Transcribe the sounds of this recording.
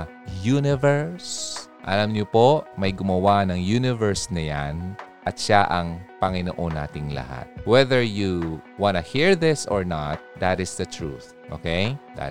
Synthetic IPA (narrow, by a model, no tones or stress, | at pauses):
junɪvɛɹsʔɐ̰lɐmɲopoʔmɐjɡʊmɐwanɐŋjunɪvɛɹsnɐjanʔɐt̪̚ʃaʔɐŋpɐŋɪnoʔonːa̰ːt̪ɪŋlɐ̰ha̰t̪̚wɛðɛɹjuwanɐhiɹðɪsɔɹnat̪̚d̪at̪ɪsd̪ɐt̪ɹṵθ | ʔo̰kejd̪a̰